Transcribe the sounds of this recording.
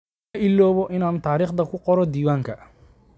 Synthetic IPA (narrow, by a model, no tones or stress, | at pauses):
ʔilːɔːβɔʔɪnaːnt̪ʰaːɾiːχd̪ɐkʰʊqɔɾɔd̪iːwaːŋkʰɐ